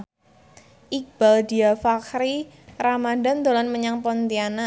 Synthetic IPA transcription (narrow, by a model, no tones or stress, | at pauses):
ʔik̚b̥aldiafakɾi | ɾamadand̪olanməɲaŋpɔnt̪iana